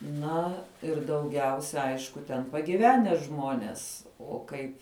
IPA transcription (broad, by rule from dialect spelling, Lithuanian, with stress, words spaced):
ˈnɐ ɪr dɐʊˈɡʲɛʊsʲɛ ˈɐɪʃkʊ tʲɛn pɐɡʲɪˈʋʲæːnʲɛ ˈʒmoːnʲeːs oː ˈkɐɪp